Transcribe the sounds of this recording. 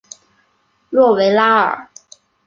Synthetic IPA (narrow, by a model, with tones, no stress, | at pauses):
lwɔ˥˩we˧˥ɪla˥ə̰˞˨˩˦